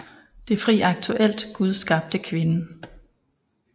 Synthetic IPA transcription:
d̥e̝fʁiːɑ̈ɡ̥̚t͡sʰuʔel̰d̥ɡ̥uð̞ˠsɡ̥ɑ̈ːb̥̚d̥əkʰʋe̝nə

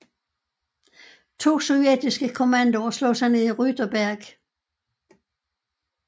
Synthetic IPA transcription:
t͡sʰo̝̰ːsɔʊjed̥isɡ̥əkʰo̝mænd̥oslɔ̰ːsɑɪneðˠiʁyd̥ɐb̥æɐɡ̥

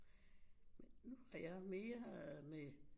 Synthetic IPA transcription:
menːuhɑjameːɐme

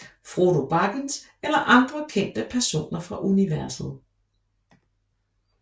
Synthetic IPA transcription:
fʁoɾo̝b̥ɑ̈ɡ̥əns | elɐʔɑ̈nd̥ʁɐkʰen̰d̥əpʰæɐso̝̰ːnɐfʁɑ̈ʔuniʋæɐsð̞̩ˠ

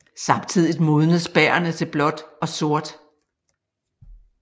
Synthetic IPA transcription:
sɑ̈mt͡sʰið̞̰ˠid̥mo̝ːðˠn̩ð̩ˠsb̥æːɐnət͡sʰe̝lb̥lɒ̽d̥ɒ̽so̝ɐd̥

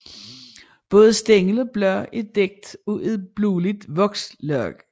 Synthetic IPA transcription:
b̥ɔ̽ːð̞̩ˠsd̥eŋlɒb̥lɶɐ̰e̝̥eɡ̥̚d̥ueðˠb̥luːlid̥ʋɒ̽ɡ̥slœɐ̰ɡ̥

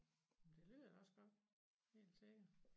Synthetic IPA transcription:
md̥e̝lyːðˠɒ̽sɡ̥ɒ̽d̥ | he̝̰ːld̥se̝ɡ̥ɐ

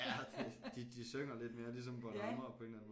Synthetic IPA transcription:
d̥id̥id̥isøŋ̰ɐle̝d̥me̝ːɐlis̬ɒ̽mpɒlɑmɐpʰɒ̽e̝ːnlæn̩mo

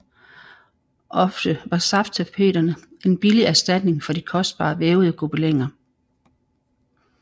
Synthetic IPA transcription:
ʔɒ̽fd̥əʋɑ̈sɑ̈ft͡sʰæpʰe̝̰ːɾɐnəʔe̝nb̥iliæɐsd̥æd̥ne̝ŋfɒ̽d̥ikʰɒ̽sd̥̚b̥ɑ̰̈ːʋeːʊð̞ˠəɡ̥ob̥əleŋɐ

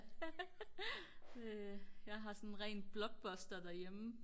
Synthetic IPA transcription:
jɑ̈ɪɦɑ̈sɔnʁɛnd̥̚b̥lɒ̽ɡ̥̚b̥ɔsd̥ɐd̥æɐjem̩

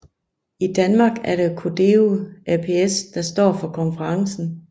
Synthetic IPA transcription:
id̥ænmɑ̈ːɡ̥æɐɾe̝kʰod̥euæpʰeesd̥ɑ̈sd̥ɒ̰ːfɒ̽kʰɒ̽nfəʁɑ̈ŋsn̩

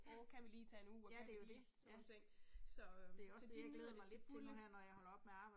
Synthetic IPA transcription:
okʰæʋiliːt͡sʰɛnuːɒkʰæilisɒnnt͡sʰeŋ̰sɒ̽d̥e̝ɒsd̥eaɡ̥eːðˠɐdmɑ̈ɪled̥t͡sʰelɦæɐ̰nɒjɑhɒ̽lɐɒ̽b̥meɑ̈ːb̥ɑ̈ɪ

